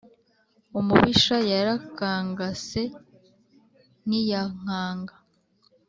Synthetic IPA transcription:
umuβiʃajaɾakaːŋɡase̞ | nijaŋ̥aːŋɡa

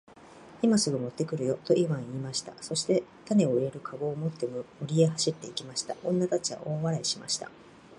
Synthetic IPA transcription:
imasɨɡomo̞t̪ːe̞kɯ̟ɾɯ̟jo̞t̪o̞ʔiβãɰ̃iːmaɕi̥t̪a̰so̞ɕi̥t̪e̞t̪ane̞o̞iɾe̞ɾɯ̟kʰaɡo̞ːmo̞t̪ːe̞mmoɾʲie̞ɦaɕit̪ːe̞ikʲimaɕi̥t̪a̰ʔõ̞nːat̪at͡ɕiβa̰ʔo̞ːβaɾaiɕima̰ɕi̥t̪a̰

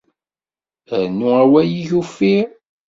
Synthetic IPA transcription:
ənuæwæjiʝufi

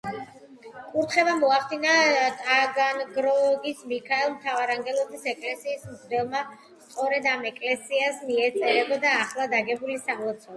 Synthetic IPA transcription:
kʼuɾt̪ʰχɛbamɔaχd̪inat̪ʼaɡanɡɾɔɡismikʰaɛlˠmt̪ʰavaɾaŋɡɛlˠɔisɛkʼlɛsiːsmzd̪ɛlˠma | st̪sʼɔɾɛd̪amɛkʼlɛsiasmiɛt̪sʼɛɾɛbɔd̪aːχlˠad̪aɡɛbulisamlɔt̪sʰɔl

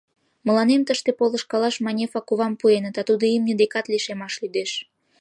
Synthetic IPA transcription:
mə̆lɑnemt̪əʃt̪epolə̆ʃkɑlɑʃmɑnʲefɑkuβɑmpuenət̪ɑt̪ud̪oimnəd̪ekɑt̪liʃemɑʃlyd̪eʃ

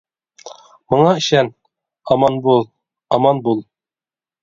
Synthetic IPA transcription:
mŏɴɑɘ̆ɕæn | ɒmɑnbulˠ | ɒmɑnbulˠ

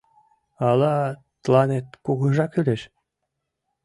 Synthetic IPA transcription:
ɑlˠɑ | t̪lˠɑnet̪̚kuɣɤ̆ʒɑkylʲeʃ

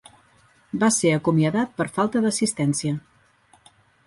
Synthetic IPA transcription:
baseəkumiəðat̪̚pəɾfalˠt̪əðəsist̪ɛnsiə

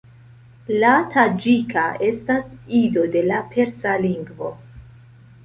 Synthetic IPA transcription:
latʰad͡ʒikʰaʔe̞stasido̞de̞lapʰe̞ɾsaliŋɡvo̞

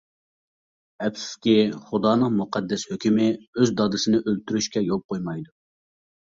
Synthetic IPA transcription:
ɛpsɪ̥skʲiχud̪ɑːnəŋmuqʰɑd̪ːɛshøkʲymɪøzd̪ɑd̪ɨsɪnɪʔølt̪ʰyɾyʃkʲɛjop̚qʰojmɑjd̪u

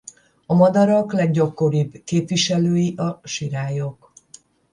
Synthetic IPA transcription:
ɒmɒd̪ɒɾɒklɛɡɟɒkːo̞ɾibkeːpvʋiʃɛløːjiʔɒʃiɾaːjok

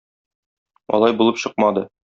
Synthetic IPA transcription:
ɒ̰lˠɑjbulˠɤpɕɤq̚mɑd̪ɤ

